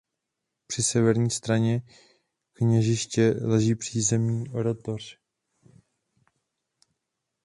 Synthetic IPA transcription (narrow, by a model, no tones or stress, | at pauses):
pr̥ɪsɛvɛɾɲiːst̪ɾaɲɛ | kɲɛʒɪʃcɛlɛʒiːpr̝̥iːzɛmɲiːʔoɾot̪or̝̥